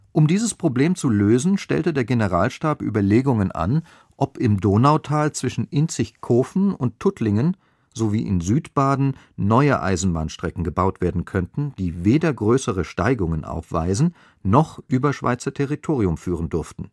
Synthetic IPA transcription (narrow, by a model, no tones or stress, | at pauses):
ʔʊmdiːzəspʁ̥obleːmt͡suløːzn̩ʃtɛ̰ltədeːɐɡenəʁaːlʃtaːpʔy̰ːbɐleːɡʊŋənʔa̰n | ʔɔpɪmdoːnaʊtʰaːlt͡sv̥ɪʃn̩ʔɪnt͡sɪçkʰoːfn̩ʊ̰ntʰːʊtʰlɪŋən | zovḭːʔɪ̰nzyːtb̥aːdn̩ | nɔʏə̰ʔa̰ɪzn̩ba̰ːnʃtʁ̥ɛkŋ̩ɡəbaʊtv̥eːɐdn̩kʰœntn̩d̥iːveːdɐɡʁøːsəʁəʃta̰ɪɡʊŋənʔa̰ʊfv̥a̰ɪzn̩ | nɔχʔyːbɐʃv̥a̰ɪt͡sɐtʰɛʁitʰoːʁiʊmfyːʁ̞əndʊɐftn̩